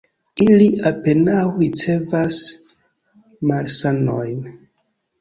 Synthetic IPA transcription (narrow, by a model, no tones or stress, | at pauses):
iliʔape̞nawɾit͡se̞vas | maɾsano̰jn